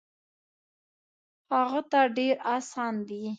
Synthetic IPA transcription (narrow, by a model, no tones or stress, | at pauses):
haɣat̪aɖeɾɑsɑnd̪i